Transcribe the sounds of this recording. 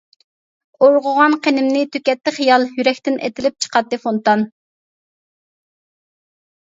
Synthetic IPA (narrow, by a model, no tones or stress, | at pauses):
oɾʁʊʁɑnqʰenɪmnɪt̪ʰøkʲɛt̪ːɪχijɑlˠjyɾɛkʲt̪ɪnḛt̪ɪlɪp̚t͡ʃʰə̥qʰɑt̪ːɨfont̪ɑn